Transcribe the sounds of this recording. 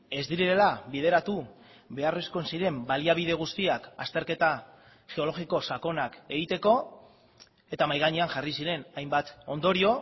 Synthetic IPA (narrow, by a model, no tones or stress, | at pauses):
e̞zd̪iɾiɾelaβið̞e̞ɾat̪u | βe̞aresko̞nsiɾe̞mbaliaβiðe̞ɣ̞ust̪iakast̪e̞ɾke̞t̪a | ʝe̞o̞lo̞xiko̞sako̞nake̞ɣit̪e̞ko̞ | e̞t̪amajɣaɲe̞anxarisiɾe̞najmbat̪o̞nd̪o̞ɾio̞